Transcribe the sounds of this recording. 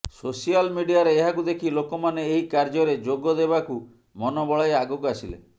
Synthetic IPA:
sosialmiɖijaɾeːɦakud̪ekʰilokɔmaneːɦikaɾd͡ʒɔɾed͡ʒoɡɔd̪ebaku | mɔnɔbɔɭajaɡokasilḛ

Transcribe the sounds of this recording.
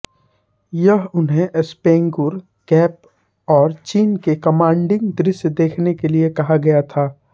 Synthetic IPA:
jɐɦʊnɦẽʔspẽːŋɡʊɾ | kɛːp̚ | ɔːɾt͡ʃiːnkekɐmãːɳɖɪ̃ŋɡd̪ɾɪsd̪eːkʰnekeliekɐɦaɡɐjat̪ʰaː

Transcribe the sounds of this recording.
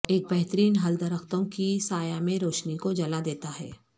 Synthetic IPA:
eːk̚bɛɦt̪əɾiːnɦɐld̪ɐɾəxt̪õkisaːjamẽɾoːʃnikod͡ʒɐlad̪eːt̪aɦɛ̰ː

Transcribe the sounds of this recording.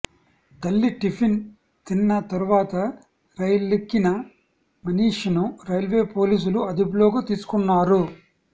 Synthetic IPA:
t̪ɐlːiʈipʰin | t̪inːɐt̪ɐɾuʋaːt̪ɐ | ɾɐjɐlːekːinɐ | mɐniːʂɐnuɾɐjɐlʋe̞ːpo̞ːliːs̬uluɐd̪ʱib̬loːɡɐt̪iːsu̥kunːaːɾu

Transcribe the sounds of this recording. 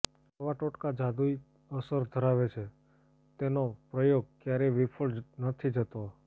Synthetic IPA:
aʋaʈoʈkad͡ʒad̪ui | əsəɾd̪ʱəɾaʋet͡ʃʰe | t̪enopɾəjoɡ̚kjaɾeʋipʰəɭnət̪ʰid͡ʒət̪o

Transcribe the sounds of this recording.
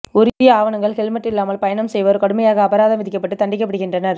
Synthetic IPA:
ʊɾɪjɐaːʋɐɳɐŋɡɐɭkɛɭmɐʈːɪlːaːmɐlpɐjɐɳɐmsɛjʋɐɾkɐɽɯmɐjaːɣɐːbɐɾaːðɐmʋɪðɪkːɐpːɐʈːɯt̪ɐɳɖɪk̬ːɐpːɐɽɯɣɪndrɐnɐɾ

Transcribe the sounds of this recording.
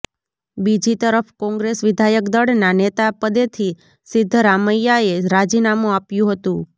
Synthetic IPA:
bid͡ʒit̪əɾəfkɔ̃ŋɡɾesʋɪd̪ʱajəkd̪əɽnanet̪apəd̪et̪ʰi | sɪd̪ʱːɾaməjaeɾad͡ʒinamũapjũɦət̪ũ

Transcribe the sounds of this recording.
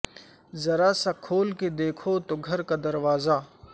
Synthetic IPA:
zɐɾasakʰoːlked̪eːkʰot̪oɡʱɐɾkad̪ɐɾʋaːza

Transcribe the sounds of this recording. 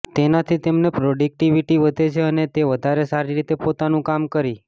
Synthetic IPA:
t̪enat̪ʰit̪emnepɾoɖik̚ʈiʋiʈiʋəd̪ʱet͡ʃʰeənet̪eʋəd̪ʱaɾesaɾiɾit̪epot̪anũkamkəɾi

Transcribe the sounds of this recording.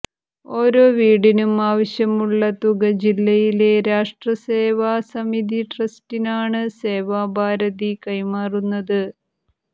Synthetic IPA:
o̞ːɾo̞ːʋiːɽinumaːʋɐɕjɐmuɭːɐt̪uɡɐd͡ʑilːɐjile̞ɾaːʂʈrɐseːʋaːsɐmid̪iʈrɐstinaːɳɨse̞ːʋaːbʱaːɾɐðikɐjmaːrunːɐðɨ

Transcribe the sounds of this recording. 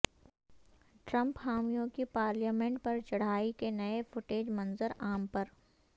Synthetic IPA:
ʈɾɐ̃mphaːmijõkipaːɾljaːmẽɳʈ̚pɐɾt͡ʃɐɽ̤aːikenɐefʊʈeːd͡ʒmɐ̃nzəɾaːmpɐɾ

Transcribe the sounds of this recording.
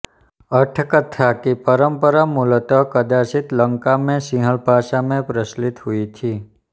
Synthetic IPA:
əʈʰkət̪ʰakipəɾəmpəɾamulət̪ɔkəd̪asit̪ləŋkamẽsĩɦəɭbʱaʃamẽpɾəslit̪ɦuit̪ʰi

